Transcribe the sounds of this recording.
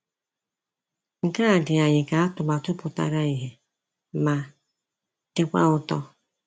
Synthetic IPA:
ŋ̩˨ka˦a˨dɪ˨a˨ɲɪ˨ka˨a˦tʊ˨ma˨tʊ˦pʊ˨ta̰˨ɾa˦i˨ɦe˨ | ma˨ | d̥ɪ˦kʷa̰˦ʊ˦tɔ˦

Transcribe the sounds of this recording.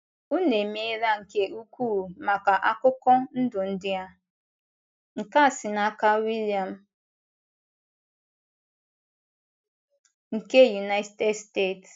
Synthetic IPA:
u˦ne˨me˦ɾa˦ŋ̩˨ke˦ʔu˦kʷuː˦˨ma˨ka˨ʔa˦kʊ˦kɔ˦n̩˦dʊ˨n̩˦dɪ˦a˦ | ŋ̩˨ka˦˨sɪ˨na˦ka˦wi˦lja˨m̩˦ | ŋ̩˨ke˦ju˨na˦tte˦dste˦˨t

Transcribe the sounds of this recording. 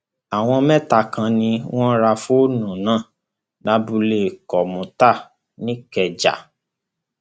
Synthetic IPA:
a˨w̃ɔ̃˧mɛ̃˦ta˧˨kã˧nĩ˧w̃ɔ̃˦ɾa˧fu˦nũ˨nãː˦˨ | na˧bu˧le˦˨kɔ˨mũ˨ta˦˨ | nĩ˦kɛ˨d͡ʒa̰˨

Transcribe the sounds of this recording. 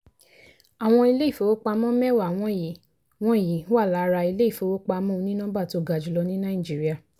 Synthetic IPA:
a˨w̃ɔ̃˧i˧le˦i˦˨fo˧˦wo˦k͡pa˧mɔ̃˦mɛ˦˨wa˨w̃ɔ̃˧˨ji˨˦ | w̃ɔ̃˨˦˨ji˨˦wa˦˨la˨˦˧ɾa˧i˧le˦i˦˨fo˧wo˦k͡pa˧mɔ̃˦˧nĩ˦nã˦ba˦˨to˨˦˨ɡa˨d͡ʒu˨lɔ˧nĩ˦nã˦ĩ˦˨d͡ʒi˦ɾi˦a˦˨

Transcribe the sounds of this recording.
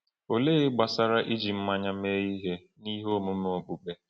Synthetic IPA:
o˨le˦ɪ˦ɡ͡ba˨sa˦ɾa˦ʔi˦d͡ʒi˨m̩˦ma˦ɲa˦me˦i˦ɦe˦ | ni˦ɦo˦˨mu˦m˦o˨ɡ͡bu˨ɡ͡be˦

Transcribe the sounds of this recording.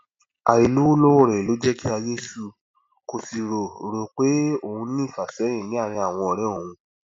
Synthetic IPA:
a̰˨ɾi˨lu˦wo˦lo˦o˦˨ɾɛ˨lo˨˦d͡ʒɛ˦ki˦a˧je˦su˦˧ | ko˧si˧ɾo˨ɾo˨k͡pe˨˦o˦˨hũ˧nĩ˦˨fa˨sɛ̃˨˦ĩ˦˨nĩ˨˦a˦˨ɾ̃ĩ˧˦a˨w̃ɔ̃˧ɔ˧ɾɛ˦o˦˨hũ˧

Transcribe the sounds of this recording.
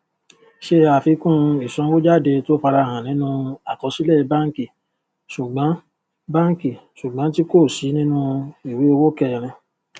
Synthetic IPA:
ʃe˧˦a˨fi˨˧˦kũ˦i˨sɔ̃˨˧˦wo˦d͡ʒa˦˨de˧to˦fa˧ɾa˧˨ɦã˨nĩ˨˦nũ˧˦a˨kɔ˧si˦lɛ˦˨˧bã˦ŋ˦ki˦˨ | su˨ɡ͡bã˨˦ | bã˦ŋ˦ki˦˨su˨ɡ͡bã˨˦ti˦ko˦˨si˨˦nĩ˦nũ˦i˨we˨˦o˧wo˦kɛ˦˨ɾ̃ĩ˧

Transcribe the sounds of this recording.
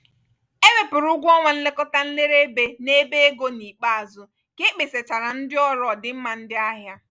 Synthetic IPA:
e˦we˨pʊ˨ɾʊu˦ɡʷɔ˦ŋʷa˨n̩˦le˦kɔ˦ta˦n̩˦le˦ɾe˦be˦ne˦be˦e˦ɡo˦ni˨k͡pa˦a˨zʊ˦ | kɪ˦k͡pɪ˨se˨t͡ʃa˨ɾa˨n̩˦dɪ˦ɔ˦ɾɔ˨dɪ˦m̩˦ma˨n̩˦dɪ˦a˦ɦja˦

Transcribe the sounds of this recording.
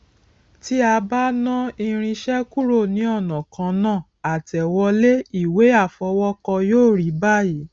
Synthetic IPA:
ti˦a˧ba˦nã˦i˧ɾ̃ĩ˧ʃɛ˦ku˦ɾo˦˨nĩ˨˦ɔ˦˨nã˨kʰã˨˧nãː˦˨ | a˨tɛ˨wɔ˧le˦i˦˨we˨˦a˦˨fɔ˨˧˦wɔ˦kɔ˧joː˦˨ɾi˨˦ba˦ji˨˦

